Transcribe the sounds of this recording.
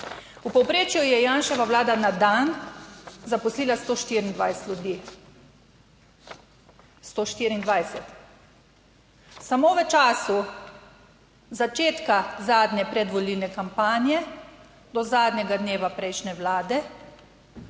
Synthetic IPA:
upɔwpɾeːt͡ʃjujɛjaːnʃɛʋaʋlaːd̪anad̪an | zapɔsliːlast̪oːʃt̪iːɾind̪ʋajsɛ̥t̪lʲjud̪iː | st̪oːʃt̪iːɾind̪ʋajsɛt̪ | samoʋɛt͡ʃaːsu | zat͡ʃeːt̪kazaːd̪ɲʲɛpɾɛd̪ʋɔlilnɛkampaːnjɛ | d̪ɔzaːd̪nʲɲɛɡad̪neːʋapɾɛjʃnɛʋlaːd̪ɛ

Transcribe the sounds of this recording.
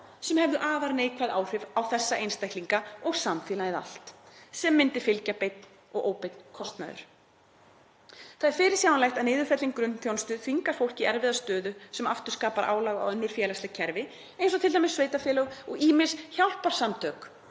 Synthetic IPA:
sɛmhɛvðʏʔaːvaɾneːjkʰvaðaːwr̥ɪvawθɛsːaʔejnst̪ajht̪liŋkaɔɣsamfiːlajɪða̰l̥t̪sɛmːɪnt̪ɪfɪlcapejt̪̚n | ɔ̰ɣʔo̰ːwpejt̪n̥kʰɔst̪na̰ðʏ̰ɾ̥ | θaðɛɾ̥fɪːɾɪɾ̥sjaːwanlajxt̪aðnɪːðʏfɛt̪liŋkɾʏnθjownst̪ʏðfiŋkaɾ̥fowl̥cɪɛɾvɪðast̪œːðʏsɛmaft̪ʏɾ̥skaːpaɾʔa̰ːwlaɣa̰wœnːʏɾ̥fjɛːlast̪lɛɣcʰɛɾvɪ | ẽjnsɔt̪ʰɪlt̪ajmɪsveːjt̪afjɛːlaɣɔɣiːmɪr̥sçawl̥paɾ̥samt̪ʰœːk

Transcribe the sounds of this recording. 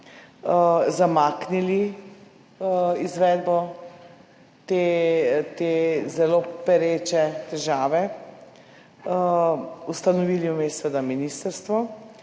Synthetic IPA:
zamaːknili | izʋɛːd̪bɔ | t̪et̪ezɛlopɛɾeːt͡ʃɛt̪ɛʒaːʋɛ | ust̪anɔʋiːliumeːsʋəd̪aminist̪əɾst̪ʋɔ

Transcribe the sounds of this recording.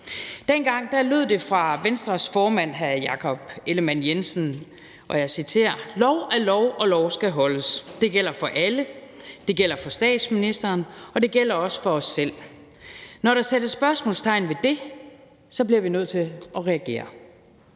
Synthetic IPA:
d̥enɡ̥ɑ̈ŋ̰d̥ɑ̈løð̞̰ˠd̥e̝fʁɑ̈ʋensd̥ʁɐsfɒːmæn̰ɦæjɑ̈kʰɒ̽b̥e̝ləmænjensn̩ | ʔɒ̽jɑ̈ɪsit͡sʰe̝̰ːɐ̰lɒʊælɒʊɒ̽lɒʊsɡ̥æɦɒ̽ləsd̥e̝ɡ̥el̰ɐfɒ̽ʔælə | d̥e̝ɡ̥el̰ɐfɒ̽sd̥ɛ̰ːd̥sminisd̥ɐːnɒ̽d̥e̝ɡ̥el̰ɐɒ̽sə̥fɒ̽ɒ̽sːel̰ | nɒɾɑ̈sed̥əsb̥ɶɐsmɔ̰̽lst͡sʰɑ̈ɪn̩ʋe̝d̥e̝ | sɒ̽b̥liɐʋinøð̞̰ˠt͡sʰe̝ʔɒ̽ʁɛæɡ̥e̝̰ːɐ

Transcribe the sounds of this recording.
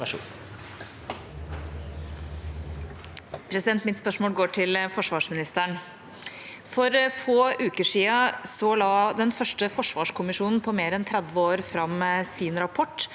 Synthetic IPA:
pʰɾɛsɪd̪ɛnt̪mɪt̪spœʂmoːlɡoːʈʰɪlfɔʂʋɑːʂmɪnɪst̪əɳ | fɔɾfoːʔʉːkəʂiːɑsɔlɑːd̪ɛnfœʂʈəfɔʂʋɑːʂkʰʊmɪʂuːnn̩pʰɔmeːɾɛnt̪ʰɾæd̪ʋəoːɾfɾɑmsiːnɾɑpʰɔʈː

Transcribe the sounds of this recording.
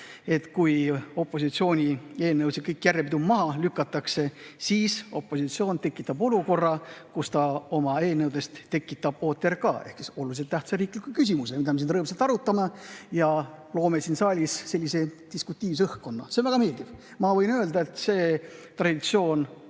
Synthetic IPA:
e̞t̪kujo̞pːˑo̞s̬it̪sio̞ːnʲie̞ːlnːewsikɤjkːˑjærːepid̪umɑɦɑlykːˑɑt̪ːˑɑkse̞siːso̞pːo̞sit̪sio̞ːnt̪e̞kːˑit̪ːˑɑbo̞luko̞rːɑkust̪ɑo̞mɑe̞ːnːɤwd̪e̞st̪t̪ːe̞kːˑit̪ːˑɑb̥̚o̞ːt̪ːˑerkɑ̰ːehksiso̞lulis̬et̪ːæht̪sɑɾiːklikukys̬imus̬emid̪ɑmeinɾɤːmselt̪ɑɾut̪ːˑɑmejɑlo̞ːmesinsɑːlʲisse̞lʲːise̞t̪iskut̪ʲːˑiːvs̬ɤhkko̞nːɑ̰seonvæɡɑme̞ːlʲd̪iv̥ | mɑvɤ̞jnøːld̪ɑe̞t̪se̞ːt̪rɑd̪̥it̪sio̞ːn

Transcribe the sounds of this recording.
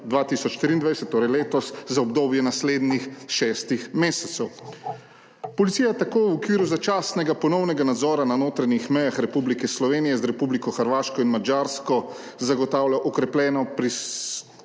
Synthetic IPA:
d̪ʋaːt̪isɔt͡ʃʃt̪ɾiːnd̪ʋajsɛt̪ːoːɾɛjleːt̪ɔszaɔbd̪oːbjɛnasleːd̪nixʃɛst̪ixmeːsɛt̪sɛw | pɔlit̪siːjat̪akoːwɔkʋiːɾuzat͡ʃaːsnɛɡapɔnɔwnɛɡanad̪zɔːɾananoːt̪ɾaɲixmɛjaxɾɛpublikɛslɔʋeːnijɛzɾɛpublikɔxəɾʋaːʃkɔinmad͡ʒaːɾskɔ | zaɡɔt̪aːwlʲaʔɔkɾɛplʲɛːnɔpɾi

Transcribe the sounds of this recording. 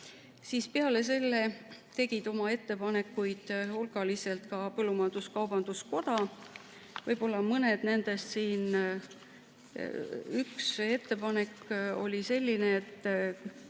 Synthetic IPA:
siːspeɑle̞s̬e̞lːe̞t̪e̞ɡ̥id̪̥o̞mɑe̞t̪ːe̞pɑne̞kːˑujd̪̥hulɡ̥ɑlise̞lt̪kɑpɤlːumɑnd̪̥uskɑwbɑnd̪̥usko̞d̪̥ɑ | vɤjbo̞lːɑmɤne̞d̪̥ne̞nd̪̥e̞st̪siːn | ykse̞t̪ːe̞pɑne̞kːo̞̰lʲise̞lʲːineːt̪ːˑ

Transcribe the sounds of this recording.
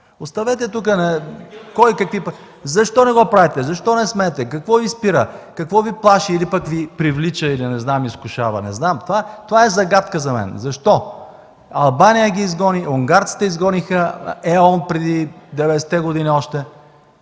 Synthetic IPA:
ost̪ɐvɛt̪̬ɛt̪uk̬ənɐkɔjkɐkvipə | zɐʃt̪ɔnɛɡɔpɾavʲt̪ɛzɐʃt̪ɔnɛsmɛt̪ɛkɐkvɔvispiɾəkɐkvɔviplˠaʃiːlipəkvipɾivlit͡ʃəilinɛznamiskʊʃavɐ̰nɛ̰znamt̪ovat̪ovaɛzɐɡat̪kəzɐmɛ̰nzɐʃt̪ɔ | ɐlˠbanijəɡʲiːzɡɔniʔʊŋɡaɾt̪si̥t̪ɛizɡɔnixəɛɔnpɾɛd̪id̪ɛvɛd̪ɛsɛ̥t̪ɛɡʊd̪iniɔʃt̪ɛ

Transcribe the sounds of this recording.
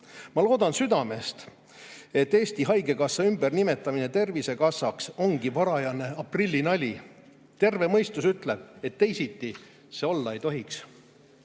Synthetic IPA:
mɑlo̞ːd̪̥ɑnsyd̪̥ɑme̞st̪ | e̞t̪ːe̞ːst̪iɦɑjɡe̞kɑsːɑymb̥e̞rnime̞t̪ːˑɑmine̞t̪e̞rvise̞kɑsːɑkso̞ŋɡ̥ivɑɾɑjɑne̞ɑprilʲːinɑlʲi | t̪e̞rve̞mɤjst̪usyt̪ˑle̞b̥̚e̞t̪ːe̞jsit̪ːi | seo̞lːɑe̞jt̪o̞ɦiks

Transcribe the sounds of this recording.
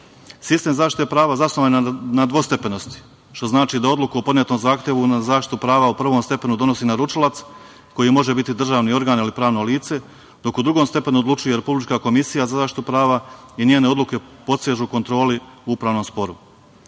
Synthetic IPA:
sist̪e̞mzaːʃt̪i̥t̪epɾaːʋazasnoʋanad̪ʋo̞st̪e̞pe̞no̞st̪i̥ | ʃt̪o̞znaːt͡ʃiːd̪ao̞d̪lˠukuopo̞d̪njet̪no̞mzaːxt̪je̞ʋunazaːʃt̪i̥t̪upɾaːʋaupr̩ʋo̞mst̪e̞pe̞nud̪o̞no̞siːnaɾut͡ʃilˠat̪s | ko̞jimo̞ʒe̞bit̪id̪r̩ʒaːʋnio̞ɾɡaːnilipɾaːʋno̞liːt̪se̞ | d̪o̞kud̪ɾuɡomst̪e̞pe̞nuod̪lˠut͡ʃuje̞ɾe̞publit͡ʃkako̞misijazazaːʃt̪i̥t̪upɾaːʋainjeːne̞o̞d̪lˠuke̞po̞t̪seʒuko̞nt̪ɾo̞ːliuupɾaːʋno̞mspo̞ɾu

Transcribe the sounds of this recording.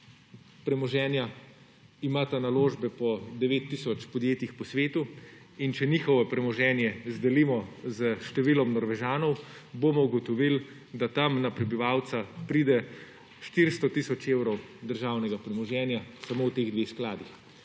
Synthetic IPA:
pɾɛmɔʒɛːnja | imaːt̪analoːʒbɛpɔd̪ɛʋeːt̪ːisɔt͡ʃpɔd̪jeːt̪ixpɔsʋeːt̪u | int͡ʃɛniːxɔwɛpɾɛmɔʒɛːnjɛzd̪ɛliːmɔzəʃt̪ɛʋiːlɔmnɔɾʋɛʒaːnɔw | bomɔuɡɔt̪ɔʋil | d̪at̪amnapɾɛbiʋaːwt̪sapɾiːd̪ɛ | ʃt̪iɾst̪ɔt̪isɔt͡ʃewɾɔwd̪əɾʒawnɛɡapɾɛmɔʒɛːnjasamowt̪eːɣd̪ʋexsklaːd̪ix

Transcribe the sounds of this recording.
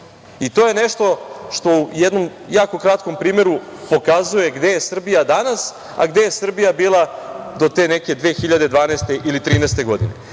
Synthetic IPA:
it̪oje̞neʃt̪o̞ʃt̪o̞ujed̪no̞mjaːko̞kɾat̪ko̞mpɾiːme̞ɾupo̞kazuje̞ɡd̪ejesr̩bijad̪anas | a̰ɡd̪ejesr̩bijabiːlˠad̪o̞t̪e̞ːneke̞d̪ʋexiʎad̪e̞d̪ʋaːneːst̪eʔilit̪ɾiːneːst̪e̞ɡo̞d̪ḭnḛ

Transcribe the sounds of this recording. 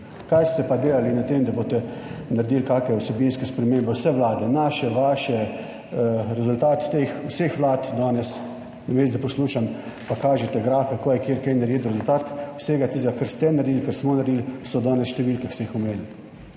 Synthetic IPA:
kajst̪ɛpad̪eːlalinat̪emd̪aboːt̪ɛnaɾd̪iːlkaːkɛɔsɛbinskɛspɾɛmeːmbɛwsɛʋlaːd̪ɛnaːʃɛʋaːʃɛ | ɾɛzʊlt̪aːt̪t̪eːxwsexʋlaːt̪d̪ɔːnɛs | nameːsd̪ɛpɔsluːʃam | pakaːʒɛt̪ɛɡɾaːfɛkoːjɛkjeɾkɛjnaɾjeːtd̪ɔɾɛzʊlt̪aːt̪wsɛɡat̪izɡakəɾst̪ɛnaɾd̪ilkəɾsmɔnaɾd̪ilsɔd̪ɔːnɛsʃt̪ɛʋiːlkɛst̪ɛixʊmeːl

